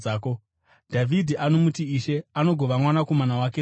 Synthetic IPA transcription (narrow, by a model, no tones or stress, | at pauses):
aːko̞ | dʱavʱidʱiʔano̞mutiiʃe̞ano̞ɡʱo̞ʋamwanako̞manawak̬e